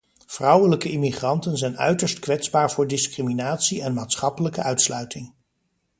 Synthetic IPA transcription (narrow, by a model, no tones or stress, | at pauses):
v̥rɑwələkəɪmiχrɑntənzɛjnœ̰ɥtəɹstkʋɛtzbaːɹvʊːɹdɪskriminaːtsiɛnmaːtsχɑpələkəʔœɥtslœɥtʰɪŋ